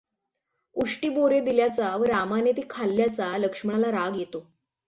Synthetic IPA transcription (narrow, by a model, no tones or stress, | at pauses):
uʂʈiːboɾed̪iljat͡saʋəɾamanet̪ikʰalːjat͡saləkʂmlaɾaɡjet̪o